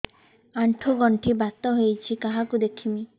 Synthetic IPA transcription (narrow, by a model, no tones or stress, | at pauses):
aɳʈʰuɡɔɳʈʰibat̪ɔɦojt͡ʃʰikaɦakud̪ekʰimi